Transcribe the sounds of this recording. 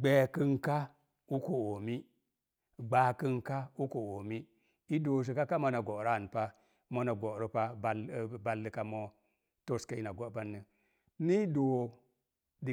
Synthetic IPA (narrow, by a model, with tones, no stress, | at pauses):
ɡ͡be˨kɨ˦nka˦ | u˦ko˨o˨mi˦˨ | ɡ͡ba˨kɨ˦nka˦u˦ko˨o˨mi˦ | i˦do˨ʃ̬i˨ka˦ka˦mo˦na˨ɡo˨ɾa˦˨n˨pa˦ | mo˦na˨ɡo˨ɾi˦pa˦ba˦lba˦lːɨ˦ka˦mo˦ | to˦ska˦i˦na˨ɡo˦ba˦nːɨ˨ | ni˦do˨ | di˨